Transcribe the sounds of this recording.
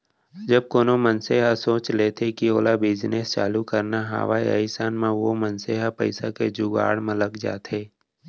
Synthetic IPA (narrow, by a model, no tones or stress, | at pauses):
d͡ʒəb̚koːnomənseːɦasoːt͡ʃleːt̪ʰekioːlabɪd͡ʒnest͡ʃa̰ːlukəɾnaɦa̰ːʋaːiə̰ɪsaːnmãʋomənseːɦapə̰ɪsaked͡ʒʊɡa̰ːɽmẽləɡd͡ʒa̰ːt̪eː